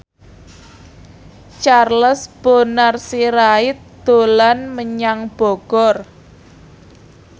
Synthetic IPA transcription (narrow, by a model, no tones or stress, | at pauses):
t͡ʃarləsb̥onarsiɾaɪt̪̚d̪̥o̤lanməɲaŋb̥ɔ̤ɡ̥ɔr